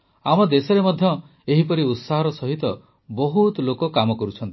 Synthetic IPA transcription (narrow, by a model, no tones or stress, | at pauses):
amɔd̪esɔɾemɔd̪ʱjɔ | eɦipɔɾiut̪saɦɔɾɔsɔɦit̪ɔ | bɔɦut̪lokɔkamɔkɔɾut͡ʃʰɔnt̪i̥